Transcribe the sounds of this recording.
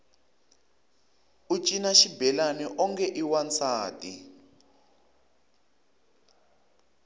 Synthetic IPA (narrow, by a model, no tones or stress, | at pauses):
ut͡ʃʼinaʃibɛlanɛʔɔŋkʰɛʔiwant͡sʰaːtʼi